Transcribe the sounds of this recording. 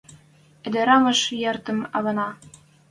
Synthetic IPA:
ɘ̆d̪ĕɾɑmɤ̆ʃjɑrt̪ə̆mɑβɑnɑ

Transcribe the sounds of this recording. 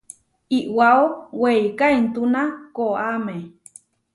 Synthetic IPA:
iʔwaoweikaint̪unakoame

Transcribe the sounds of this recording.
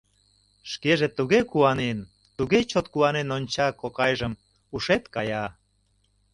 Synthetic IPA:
ʃkeʒet̪uɣekuɑnen | t̪uɣet͡ɕot̪kuɑnenonʲt͡ɕɑkokɑjʒəm | uʃet̪kɑjɑ

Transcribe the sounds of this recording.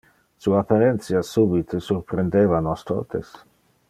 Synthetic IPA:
suaːpaɾent̪sjasubit̪ʰesuɾpɾend̪evanɔst̪o̰t̪ḛs

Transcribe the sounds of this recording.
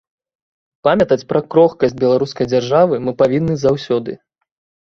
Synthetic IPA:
pamʲɐt̪ɐt͡sʲpɾɐkɾɔxkɐsʲd͡zʲbʲɛlˠaɾuskɐjd͡zʲarʐavɨmɨpavʲinːɨzawsʲɔd̪ɨ̰

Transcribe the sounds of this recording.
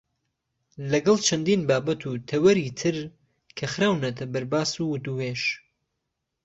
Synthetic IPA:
lɐɡɐlˠt͡ʃʰɐnd̪iːnbaːbɐt̪ʰuːt̪ʰɐwɐɾiːt̪ʰɨɾ | kʰɐxɾaːwnɐt̪ʰɐbɐɾbaːsuwʊt̪uweːʃ

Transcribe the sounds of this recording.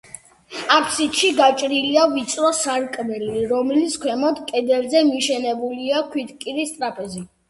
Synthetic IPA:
akʰsit̪ʃiɡat͡ʃʼɾiliavit̪sʼɾɔsaɾkʼmɛliɾɔmliskʰwɛmɔd̪kʼɛd̪ɛlzɛmiʃɛnɛbuliakʰwit̪kʼiɾist̪ʼɾapʰʼɛzi

